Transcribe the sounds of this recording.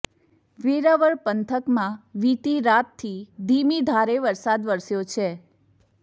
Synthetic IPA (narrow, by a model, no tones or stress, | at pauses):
ʋiɾaʋəɭpənt̪ʰəkmãʋiʈ̪iɾat̪ʰːid̪ʱimid̪ʱaɾeʋəɾsad̪ʋəɾsjot͡ʃʰe